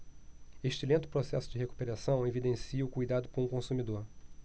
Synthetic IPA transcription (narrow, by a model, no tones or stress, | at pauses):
eʃt͡ʃilẽnt̪ʊ̥pɾosɛsʊd͡ʒɪɦeku̥peɾasɐ̃w̃evid̪ẽsiɐʊkujd̪ad̪ʊkõũkõsumid̪oɾ